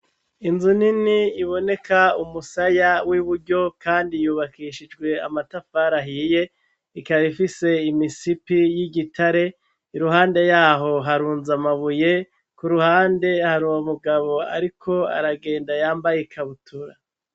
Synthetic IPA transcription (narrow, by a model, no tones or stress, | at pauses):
inzuniniiβo̞ne̞kʰaumusajawiβuɾɟo̞kaːndijuːβakiːʃid͡ʒɡwe̞amatafaːɾaɦije̞ | ikaβifise̞imisipijiɟitʰaɾe̞ | iɾuɦaːnde̞jaːɦo̞ɦaɾuːnzamaβuje̞ | kuɾuhaːnde̞haɾuwomuɡaβo̞a̰ɾikʰo̞a̰ɾaɡe̞ːndajaːmbajekʰaβutʰuɾa